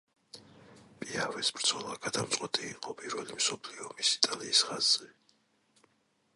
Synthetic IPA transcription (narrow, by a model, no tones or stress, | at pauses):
pʼiavɛsbɾd̪z̥ʰɔlˠaɡad̪amt̪ʼqʼwɛt̪ʼiːqʼɔpʼiɾvɛlimsɔpʰliɔmisi̥t̪ʼaliːsχazzɛ